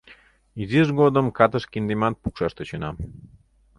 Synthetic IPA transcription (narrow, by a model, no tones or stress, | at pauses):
iziʒɣod̪əmkɑt̪əʃkind̪emɑt̪̚pukʃɑʃt̪et͡ɕənɑm